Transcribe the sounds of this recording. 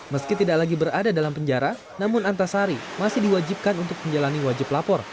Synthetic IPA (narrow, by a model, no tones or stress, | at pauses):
məskit̪idak̚laɡibəɾadadalampəɲd͡ʒaɾa | namʊnant̪asaɾimasɪhdiwad͡ʒip̚kanunt̪ʊk̚məɲd͡ʒalaniwad͡ʒɪplapɔr